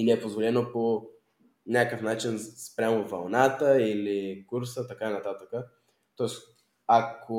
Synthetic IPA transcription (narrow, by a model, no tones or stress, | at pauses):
inɛːpozvolɛnopo | nʲakəfnat͡ʃinspɾʲamovɐlˠnat̪əilikuɾsət̪ɐkainɐt̪at̪əkə | t̪ɔɛs | akʰo